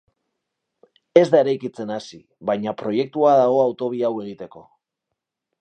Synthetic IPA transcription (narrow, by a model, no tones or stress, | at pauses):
e̞zd̪aeɾajkit͡se̞nasi | βajɲapɾo̞je̞k̚t̪uaðaɣ̞o̞awt̪o̞β̞iawe̞ɣ̞it̪e̞ko̞